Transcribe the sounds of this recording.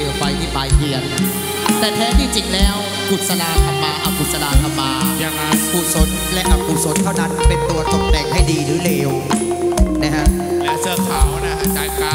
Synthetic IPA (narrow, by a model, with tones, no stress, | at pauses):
fa˧jt̪ʰiː˥˩pa˧jtɯ˧ɐn˩ | t̪ɛː˨˩t̪ʰɛː˦˥t̪ʰiː˥˩t͡ɕi˨˩t̪̚lɛː˦˥w | kʰu˨˩t̪̚sa˧naː˧k̪ʰa˧mːaː˧ʔa˧˩kʰu˨˩t̪̚sa˧naː˧k̪ʰa˧mːaː˧ja˧ŋ˦˥kʰuː˨˩t̪̚so˨˦t̪̚lɛ˦˥ʔa˧˩kʰuː˨˩so˨˦t̪ʰːa˥˩wna˦˥npe˧nt̪u˧ɐt̪ɔ˥˩ŋ̚t̪ɛː˨˩k̚ha˥˩jdiː˧ɾɯː˩˦leː˧w | na˦˥kʰa˦˥ʔ | lɛː˦˥sɯ˥˩kʰaː˨˩˧na˦˥a˧˩kaː˨˩nkaː˧